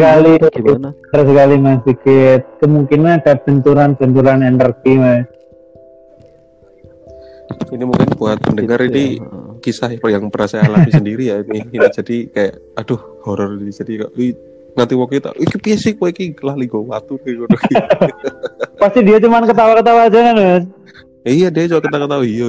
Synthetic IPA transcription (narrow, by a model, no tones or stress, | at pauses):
səkali | ərs̬əkalimasbikɪt̪̚kəmuŋkinadab̥ənt̪uɾanb̥ənt̪uɾanɛndərkiwɛ | inimuŋkɪnpuat̪̚məndəŋaɾinikisaɦjaŋpəɾasaalaisəndiɾijainɪinid͡ʒadikaja̰ʔ | ad̥ʊh | hɔɾɔrdid͡ʒadikae | ŋant̪iwɔkit̪a̰ekipiasɪhpoɛkiəlaliɡowat̪uekuoki | past̪idiat͡ʃumankət̪̬awakət̪̬awad͡ʒakanbɛs | ijadiat͡ʃubakət̪akət̪auija